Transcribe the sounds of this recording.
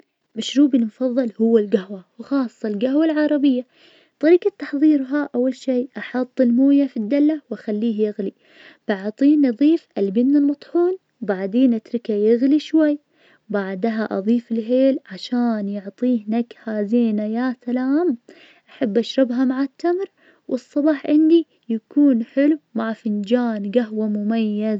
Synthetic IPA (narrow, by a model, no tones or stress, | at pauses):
maʃɾuːbɪlmʊfɑðˤːɑlhʊwːalɡahwawxɑːsˤːɑlɡahwalʕɑɾˤɑbɪjːa | t̪ˤɑɾiːqat̪ːɑħðˤiːɾɦaʔawːalʃiːʔɑħɑt̪ˤːɪlmuːjafid̪ːalːawʔaxalːiːhjɪɣli | b̥aʕt̪ˤiːnɑðˤiːfʔɪlbɪnːɪlmɑt̪ˤħuːn | baʕd̪eːnʔat̪ɾɪkajaɣliʃwajː | baʕd̪ɦaʔɑðˤiːfɪlɦeːlʕaʃaːnjʊʕt̪ˤiːhnakhaːziːnajasalaːm | ʔaħabːʔaʃɾˤɪbɦamaʕat̪ʰːamɾ | wʔɨsˤːɑbɑːħʕɪnd̪i | jakuːnħɪlwmaʕfɪnd͡ʒaːnɡaɦwamʊmajːaz